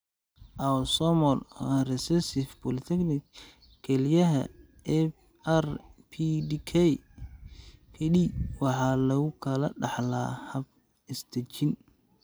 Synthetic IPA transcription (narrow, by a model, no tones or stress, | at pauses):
ʔɐsɔmɔlrɛsɛsɪfbɔlɪt̪ʰɛknɪk | kʰɛlijɐɦɐ̰ | ɛ | ɛrpʰidikʰɛj | kʰɛɗiwɑħɑːlɐɣʊkʰɐlɐɖɑħla̰ːhɐb̚ | ɪst̪ʰɐt͡ʃɪn